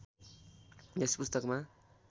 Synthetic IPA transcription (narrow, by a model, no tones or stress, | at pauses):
espust̪ʌkma